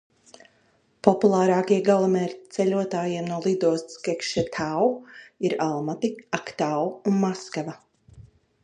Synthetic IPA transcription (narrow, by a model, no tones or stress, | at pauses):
pɔpulˠaːɾaːkiɛɡalˠamɛːɾʲt̪sɛʎʲuɔt̪aːjiːɛmnuɔlˠid̪ɔɔsskɛkʃɛt̪ʰawiɾalˠmat̪iakt̪awunmaskava